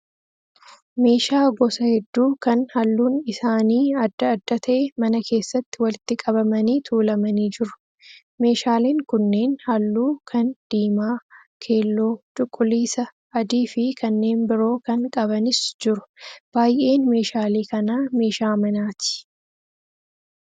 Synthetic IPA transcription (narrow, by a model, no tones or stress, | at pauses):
me̞ːʃaːɡɔsɐhɛd̪ːuːkɐnhɐlːuːnɪsaːniːɐd̪ːɐːd̪ːɐt̪ʰɐʔɛmɐnɐkʰe̞ːsːɐt̪ːɪwɐlɪt̪ːɪkʼɐbɐmɐniːt̪ʰuːlɐmɐniːd͡ʒɪɾʊ̥ | me̞ːʃaːliːŋkʊnːe̞ːnhɐlːuːkʰɐnd̪̥iːmaː | kʰe̞ːlːo̞ːt̪ʼʊkʼːʊliːsɐ | ɐd̪iːfɪkɐnːe̞ːnbɪɾo̞ːkɐŋkʼɐbɐnɪsd͡ʒɪɾʊ̥b̥aːjʔe̞ːnme̞ːʃaːliːkɐnaːme̞ːʃaːmɐnaːt̪ɪ̥